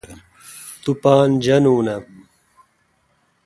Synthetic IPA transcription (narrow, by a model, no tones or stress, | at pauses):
t̪upaːnd͡ʑɐnuːnɐ